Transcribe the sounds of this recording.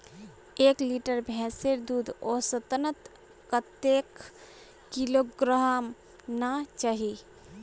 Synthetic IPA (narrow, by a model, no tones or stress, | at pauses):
eːkliʈəɾbʱɛ̃seɾd̪uːd̪ʱoːsət̪ənət̪ | kət̪ːek | kiloɡɾaɦm | nat͡ʃaɦi